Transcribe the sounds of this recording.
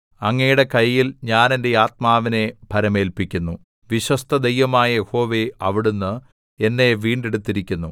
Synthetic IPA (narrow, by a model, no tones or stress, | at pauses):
ɐŋːejuɽe̞kɐjːilɲaːnende̞aːt̪̚maːʋine̞bʱɐɾɐme̞ːlpikʲːunːu | ʋiɕwɐst̪ʰɐd̪ejʋɐmaːjɐjeho̞ːʋe̞ɐʋiɽunːɨ | e̞nːe̞ʋiːɳɖeɽut̪ːiɾikʲːunːu